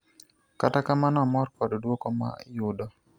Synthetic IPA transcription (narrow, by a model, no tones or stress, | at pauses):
katakamanɔmɔrkɔddwokɔma̰jʊdɔ